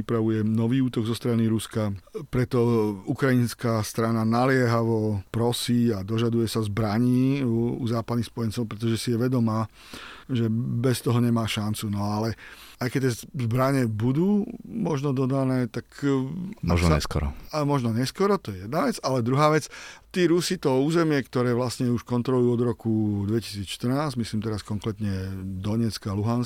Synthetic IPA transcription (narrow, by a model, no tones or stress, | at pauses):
ipɾaʋujɛnɔʋiːuːt̪ɔɡzɔst̪ɾaniɾuskapɾɛt̪ɔukɾainskast̪ɾananalɪɛɦaʋɔpɾɔsiːad̪ɔʒad̪ujɛsazbɾaɲiːuzaːpad̪nixspɔjɛnt͡sɔʊpɾɛt̪ɔʒɛsijɛʋɛd̪ɔmaː | ʒɛbɛst̪ɔɦɔɲɛmaːʃant͡sunɔalɛ | ajkɛct̪ːɛzbɾaɲɛbud̪uːmɔʒnɔd̪ɔd̪anɛːt̪ak | maɔ̰ɲɛ̰skɔ̰ɾɔ̰amɔʒnɔɲɛskɔɾɔt̪ɔjɛjɛd̪naʋɛt͡salɛd̪ɾuɦaːʋɛt͡st̪iːɾusit̪ɔuːzɛmɪɛkt̪ɔɾɛːʋlasɲɛuʃkɔnt̪ɾɔlujuːɔd̪ɾɔkud̪ʋɛci̥siːt͡sʃt̪ər̩naːzɟmisliːmt̪ɛɾaskɔŋkɾɛt̪ɲɛd̪ɔɲɛt͡skaluɦans